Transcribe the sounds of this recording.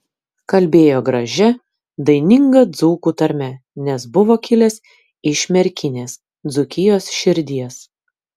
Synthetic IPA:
kɐlʲbʲeːjoːɡɾɐʒʲɛ | d̪ɐɪnʲɪŋɡɐd̪zuːkuːt̪ɐɾʲmʲɛnʲɛsbʊʋoːkʲɪlʲɛs | ɪʃʲmʲɛɾʲkʲɪnʲeːs | d̪zʊkʲɪjoːsʃʲɪɾʲd̪ʲiɛs

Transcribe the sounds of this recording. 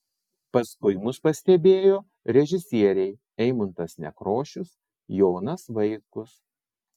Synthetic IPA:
pɐskʊɪmʊspɐsʲt̪ʲɛbʲeːjoː | ɾʲɛʒʲɪsʲiɛɾʲɛɪ | ɛɪmʊnt̪ɐsnʲɛ̰kɾoːʃʲʊs | joːnɐsʋɐɪkʊs

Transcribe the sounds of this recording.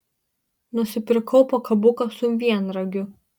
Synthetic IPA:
nʊsʲɪpʲɪɾʲɪkʰɔʊpokʰɐbʊkɐsʊmʲʋʲiɛnɾɐɡʲʊ

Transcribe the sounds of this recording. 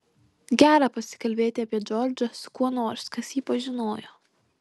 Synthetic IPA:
ɡʲæːɾɑpɐsʲɪ̥kɐlʲbʲeːt̪ʲɪɐpʲiɛd͡ʒoːɾʲd͡ʒʲɐskuɔnoːɾskɐsjiːpɐʒʲɪnoːjoː

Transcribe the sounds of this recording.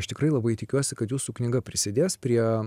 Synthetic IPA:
ʃt̪ʲɪkɾɐɪlˠɐbɐɪt̪ʲɪkʲuɔsʲɪkɐt̪juːsuknʲɪɡɐpʲɾʲɪsʲɪd̪ʲeːspʲɾʲiɛ

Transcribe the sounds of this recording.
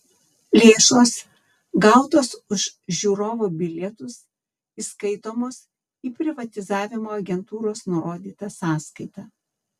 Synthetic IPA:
lʲeːʃoːs | ɡɑˑʊt̪oːsʊʃʒʲuːɾoːʋoːbʲɪlʲɛt̪ʊs | iːskɐɪt̪oːmoːs | iːpʲɾʲɪʋɐt̪ʲɪzɑːʋʲɪmoːɐɡʲɛnt̪uːɾoːsnʊɾoːd̪ʲiːt̪ɐsɑːskɐɪt̪ɑː

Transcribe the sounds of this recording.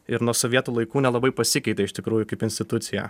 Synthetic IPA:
ɪɾnuɔsoʋʲiɛt̪uːlˠɐɪkuːnʲɛlˠɐbɐɪpɐsʲɪkʲɛɪt̪ʲɛɪʃt̪ʲɪkɾuːjʊkɐɪpɪnsʲt̪ʲɪt̪ʊt̪sʲɪjɛ̰

